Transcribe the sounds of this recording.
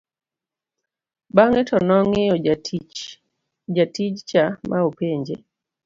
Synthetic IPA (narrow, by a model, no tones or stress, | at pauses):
baŋetɔnɔŋɪɔ | d͡ʒatid͡ʒt͡ʃamʔaopeɲd͡ʒḛ